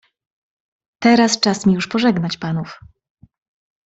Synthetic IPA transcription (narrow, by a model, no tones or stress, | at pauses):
t̪ɛɾast͡ʂasmʲijuʂpɔʐɛɡnat͡ɕpanuf